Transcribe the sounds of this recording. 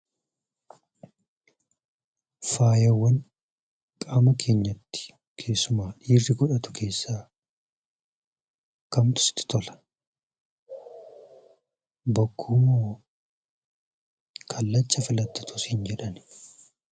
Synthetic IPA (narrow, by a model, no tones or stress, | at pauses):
faːjɐwːɐn | kʼaːmɐkʰe̞ːɲːɐt̪ːɪ̥ | kʰe̞ːsːʊmaːᶑiːrːɪɡɔᶑɐt̪ʊ̥kʰe̞ːsːaː | kɐmt̪ʊ̥sɪ̥t̪ːɪ̥t̪ɔlɐ̥ | bɐkʰːuːmo | kʰɐlːɐt͡ʃːɐfɪlɐt̪ːɐt̪ʊshɪnd͡ʒɛᶑɐn